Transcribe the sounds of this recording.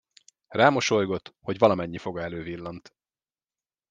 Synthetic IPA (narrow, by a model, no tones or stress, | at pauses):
raːmo̞ʃo̞jɡo̞t̪ho̞ɟʋɒlɒmɛɲːifo̞ɡɒɛløːvilːɒnt̪